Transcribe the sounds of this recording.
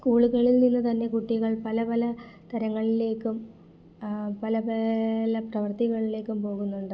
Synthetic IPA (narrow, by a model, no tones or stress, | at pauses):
skuːɭuɣɐɭilninːut̪ɐnːe̞kuʈːiɣɐɭpɐlɐpɐlɐt̪ɐɾɐŋːɐɭile̞ːkːum | pɐlɐpɐlɐprɐʋɐrt̪iɣɐɭile̞ːkːumpo̞ːɣunːuɳɖɨ